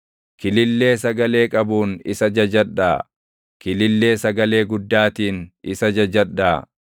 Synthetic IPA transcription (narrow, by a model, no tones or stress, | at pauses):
kɪlɪlːe̞ːsɐɡɐle̞ːkʼɐbuːnɪsɐd͡ʒɐd͡ʒɐᶑaː | kɪlɪlːe̞ːsɐɡɐle̞ːɡʊd̪ːaːt̪iːnɪsɐd͡ʒɐd͡ʒɐᶑːaː